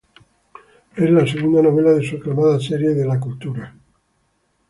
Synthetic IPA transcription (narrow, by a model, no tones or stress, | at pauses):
ezlaseɣund̪ano̞β̞e̞laðesueklamaðaseɾje̞ðelakult̪uɾa